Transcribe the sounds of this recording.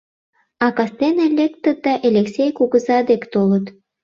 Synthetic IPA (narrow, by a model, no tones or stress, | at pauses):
ɑkɑst̪enelʲek̚t̪ːə̆t̪̚d̪ɑʔelʲeksʲejkuɣəzɑd̪ekt̪olət̪